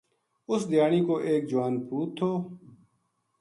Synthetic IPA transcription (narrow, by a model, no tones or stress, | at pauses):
ʊsd̪ɪjaːniːkoːʔeːk̚d͡ʒʊwaːnpuːtt̪ʰːoː